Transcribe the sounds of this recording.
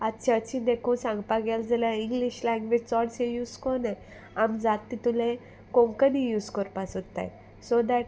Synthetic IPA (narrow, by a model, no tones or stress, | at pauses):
at͡ɕiət͡ɕĩd̪ekũːsãŋɡpaɡald͡zaljaiŋɡliɕlaŋɡʋet͡sɔɽsejuːskɔne | amd͡zat̪ːit̪ulẽ | kõŋkənijuːskɔɾpasot̪ːa̰j | sod̪æʈ̚